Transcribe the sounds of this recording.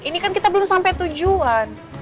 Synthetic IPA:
inikankit̪abəlʊmsampɛjt̪ud͡ʒuan

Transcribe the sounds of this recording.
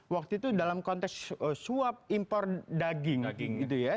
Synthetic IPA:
wak̚t̪uit̪udalamkɔnt̪ɛksəsuap̚impɔrdaɡɪŋɡŋit̪uja

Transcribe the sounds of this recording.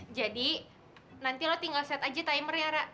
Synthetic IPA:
d͡ʒadi | nant̪ilot̪iŋɡalsiat̪ad͡ʒat̪aiməɾjaɾa

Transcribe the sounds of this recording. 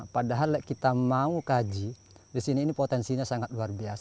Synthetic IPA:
padaɦalːɛʔkit̪amaukad͡ʒi | disiniːnipɔt̪ɛnsiɲasaŋat̪̚luarbias

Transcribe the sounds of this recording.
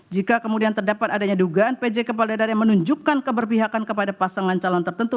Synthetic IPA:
d͡ʒikakəmudiant̪ərdapat̪adaɲaduɡaʔːnped͡ʒekəp̬aldadarjaŋmənuɲd͡ʒukːankəbərpiɦakankəpadapasaŋant͡ʃalɔnt̪ərt̪ənt̪u

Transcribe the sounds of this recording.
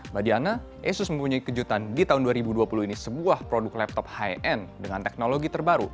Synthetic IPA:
badiana | ʔesʊsmə̃mpuɲaikəd͡ʒut̪andit̪aɦʊnduaɾibuduapuluhinisəbuahpɾodʊklɛp̚t̪ɔp̚haɛʔɛndəŋant̪ɛk̚noloɡit̪ərbaɾṵ

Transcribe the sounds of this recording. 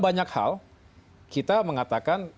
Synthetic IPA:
baɲakha̰l | kit̪aməŋat̪akan

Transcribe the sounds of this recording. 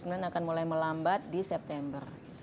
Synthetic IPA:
kəmnanakanmulajməlambat̪̚disɛp̚t̪ɛmbər

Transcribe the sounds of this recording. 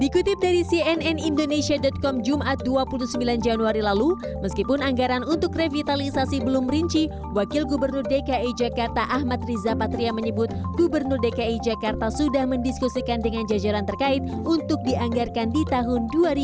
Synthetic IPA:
dikut̪ɪp̚daɾisiɛnɛnindonesiadɔt̪̚kɔmd͡ʒumʔat̪̚duapulusəmbiland͡ʒanuaɾilalu | məskipʊnaŋɡaɾanunt̪ʊkrevit̪alisasibəlʊmɾiɲt͡ʃi | wakɪlɡubərnʊrdekaid͡ʒakart̪aʔahmat̪̚rizapat̪ɾiaməɲəbʊt̪̚ɡubərnʊrdekaid͡ʒakart̪asudahməndiskusikandəŋand͡ʒad͡ʒaɾant̪ərkaɪt̪̚ | unt̪ʊk̚diaŋɡarkandit̪aɦʊnduaɾi

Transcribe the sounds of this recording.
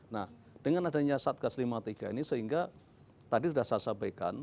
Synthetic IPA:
nah | d̥əŋanadaɲasat̪̚ɡ̥aslimat̪iɡ̥ainisəɦiŋɡa | t̪adisudahsasabajka̰n

